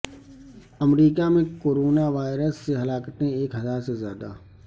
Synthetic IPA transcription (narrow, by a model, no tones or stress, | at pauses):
ɐmɾiːkamẽkoːɾoːnaʋaːɪɾəsːeɦɐlaːkət̪ẽeːkɦɐzaːɾsezjaːd̪a̰ː